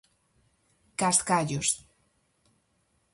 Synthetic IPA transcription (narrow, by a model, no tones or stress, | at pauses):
kast̪kaʎust̪